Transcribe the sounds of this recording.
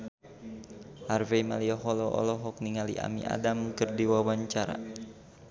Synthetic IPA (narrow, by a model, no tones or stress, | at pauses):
ʔarvemaliɔɦɔlɔʔɔ̰lɔɦɔk̚niŋalḭʔa̰mḭʔa̰damkərdiwawaɲt͡ʃaɾa̰